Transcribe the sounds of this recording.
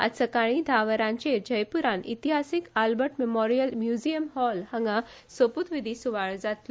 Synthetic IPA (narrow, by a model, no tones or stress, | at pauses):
a̰səkaɭ̃id̪ʱaʋəɾãɲt͡ɕed͡ʑəjpuɾãnḭt̪iɦasikalbəʈmemɔɾijəlmjud͡ʑijəmhɔlhəŋɡa | soput̪ʋid̪ʱiːsuʋaɭd͡zat̪l